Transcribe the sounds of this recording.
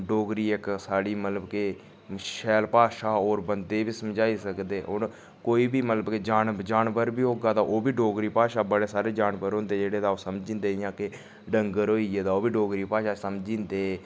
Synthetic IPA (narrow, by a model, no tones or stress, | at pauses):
ɖoːɡɾiːɪksaːɽiːmət̪ləbke | ʃɛːlpaːʃaːoːɾbənd̪eːbiːsəmd͡ʒaːiːsəkd̪eːʔoɾ | koːiːbiːmət̪ləbked͡ʒaːnd͡ʒaːnʋəɾbiːɦoːɡaːd̪aːʔoːbiːɖoːɡɾiːpaːʃaːbəɽeːsaːɾeːd͡ʒaːnʋəɾõːnd̪eːd͡ʒeːɽeːd̪aːoːsəmd͡ʒĩːnd̪eːɪjãːkɪ | ɖəŋɡəɾɦoːieːd̪aːoːbiːɖoːɡɾiːpaːʃaːsəmd͡ʒĩːnd̪eː